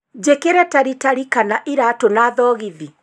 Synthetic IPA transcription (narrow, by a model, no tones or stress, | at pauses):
d͡ʑekeɾɛtaɾitaɾikanaʔiɾatonaːðɔːɣiði